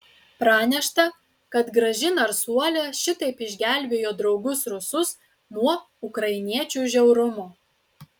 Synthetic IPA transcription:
pɾɑːnʲɛʃt̪ɐ | kɐt̪ɡɾɐʒʲɪnɐɾsuɔlʲɛːʃʲɪt̪ɐɪpɪʒʲɡʲæˑlʲbʲeːjoːd̪ɾɒʊɡʊsɾʊsʊs | nuɔ | ʊkɾɐɪnʲiɛt͡ʃʲuːˑʒʲɛʊɾʊmʊ

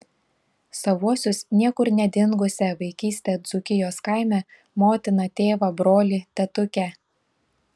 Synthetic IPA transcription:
sɐʋuɔsʲʊsnʲiɛkʊɾnʲɛd̪ʲɪŋɡʊsʲɛʋɐɪkʲiːsʲt̪ʲeːd̪zʊkʲɪjoːskaɪmʲɛ | moːt̪ʲɪnɐt̪ʲeːʋɐbɾoːlʲɪt̪ʲɛt̪ʊkʲɛ

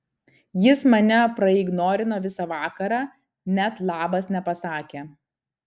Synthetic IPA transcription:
jɪsmɐnʲɛpɾɐɪːɡnoːɾʲɪnoːʋʲɪsɐʋɑːkɐɾɑː | nʲɛt̪lˠɑːbɐsnʲɛpɐsɑːkʲeː

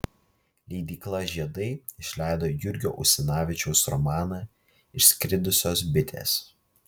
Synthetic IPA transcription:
lʲɛɪd̪ʲiːklˠɐʒʲiɛd̪ɐɪɪʃʲlʲæˑɪd̪oːjʊɾʲɡʲo̰ːʔʊ̰sʲɪnɑːʋʲɪt͡ʃʲɛʊsɾɔ̰mɑːnɑː | ɪʃsʲkʲɾʲɪd̪ʊsʲoːs̬bʲɪt̪ʲʰḛːs

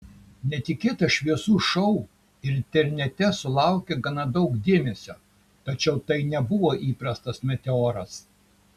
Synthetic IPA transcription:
nʲɛt̪ʲɪkʲeːt̪ɐʃʲʋʲiɛsuːʃɔʊ | ɪɾɪnʲt̪ʲɛɾʲnʲɛt̪ʲɛsʊlˠɑˑʊkʲɛɡɐnɐd̪ɒʊkd̪ʲeːmʲɛsʲoː | t̪ɐt͡ʃʲɛʊt̪ɐɪnʲɛbʊʋoːʔiːpɾɐst̪ɐsmʲɛt̪ʲɛoːɾɐs

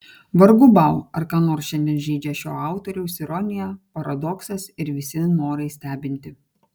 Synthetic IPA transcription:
ʋɐɾɡʊbɑˑʊɐɾkɑːnoːɾsʃʲɛnʲd̪ʲiɛnʒʲɛːd͡ʒʲɛʃʲoːɑˑʊt̪ɔɾʲɛʊsɪɾɔnʲɪjɛpɐɾɐd̪ɔksɐsɪɾʋʲɪsʲɪnoːɾɐɪsʲt̪ʲæːbʲɪnʲt̪ʲɪ

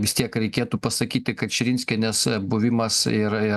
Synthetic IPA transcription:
ʋʲɪst̪ʲiɛkɾʲɛɪkʲeːt̪uːpɐsɐkʲiːt̪ʲɪkɐt̪ʃʲɪɾʲɪnʲsʲkʲɛnʲɛsbʊʋʲɪmɐsɪɾɪ

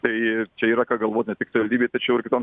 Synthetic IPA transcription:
t̪ɐɪt͡ʃʲɛiːɾɐkɑːɡɐlˠʋoːt̪nʲɛt̪ʲɪksɐʋɐlʲd̪ʲibʲeːt̪ɐɪt͡ʃʲɛʊɪɾkʲɪt̪oːn

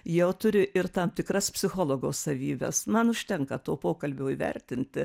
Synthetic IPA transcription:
jɛʊt̪ʊɾʲɪʔɪrt̪ɑmt̪ʲɪkɾɐspʲsʲɪxoːlˠoːɡoːssɐʋʲiːbʲɛ̰smɐnʊʃʲt̪ʲɛŋkɐt̪oːpoːkɐlʲbʲoːiːʋʲɛ̰ɾʲt̪ʲɪnʲt̪ʲɪ

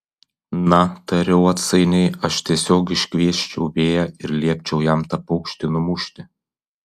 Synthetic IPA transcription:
nɐt̪ɐɾʲɛʊɐt̪sɐɪnʲɛɪɐʃt̪ʲiɛsʲoːkɪʃʲkʲʋʲiɛʃʲt͡ʃʲɛʊbʲeːjɛɪɾlʲiɛpʲt͡ʃʲɛʊjæmt̪ɐpɐʊkʃʲt̪ʲɪnʊmʊʃʲt̪ʲɪ

